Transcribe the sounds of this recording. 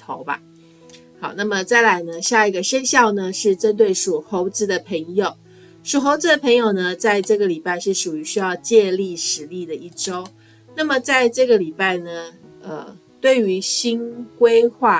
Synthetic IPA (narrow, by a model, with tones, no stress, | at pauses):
t̪ʰo˧˥ʊba̰˧ | xɑ˨˩ʊna˥˩mə˨˩t͡sa˥˩ɪla˧˥ɪnə˧ɕja˥˩i˧˥ɡə˨ʂə˥nɕjɑ˥˩ʊnə˩ʂɻ̩˥˩ʈ͡ʂə˥nt̪we˥˩ɪʂu˨˩xo˧˥ʊt͡sɹ̩˧˥d̪ə˨pʰə˧˥ŋjo˨˩ʊ | ʂu˨˩xo˧˥ʊt͡sɹ̩˧˥d̪ə˨pʰə˧˥ŋjo˨˩ʊnə˩t͡sa˥˧ɪʈ͡ʂɤ˥˩ɡə˩li˨˩pa˥˧ɪʂɻ̩˥˩ʂu˨˩y˧˥ɕy˥jɑ˥˧ʊt͡ɕjɛ˥˧li˥˩ʂɻ̩˧˥li˥˩d̪ə˩ʔi˥˩ʈ͡ʂo˥ʊ | na˥˩mə˨t͡sa˥˧ɪʈ͡ʂɤ˥˩ɡə˩li˨˩pa˥˩ɪnə˩ə˩ | t̪we˥˩ɪy˧˥ɕi˥nkwe˥ɪxwa˥˩